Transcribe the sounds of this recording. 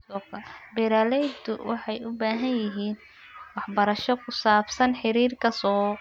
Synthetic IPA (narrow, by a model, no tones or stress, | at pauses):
sɔːkʰɐbɛɾaːlɛjd̪ʊ̰wʔɑħɑjʊbaːɦɐnjɪɦiːn | wɑħbɐɾɐʃɔkʰʊsaːbsɐnħɪɾiːrkʰɐsɔː